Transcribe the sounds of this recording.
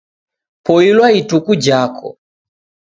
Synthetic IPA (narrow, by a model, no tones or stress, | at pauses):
pɔilwaitukud͡ʒakʰɔ̰